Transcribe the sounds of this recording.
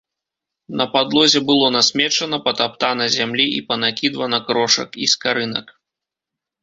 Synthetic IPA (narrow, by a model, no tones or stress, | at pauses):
nɐpad̪lˠɔzʲɛbɨlˠɔnasʲmʲɛt͡ʂɐnɐpɐt̪ap̚t̪anɐzʲamlʲiḭpɐnakʲid̪vɐnɐkɾɔʂɐ̰kiskaɾɨnɐ̰k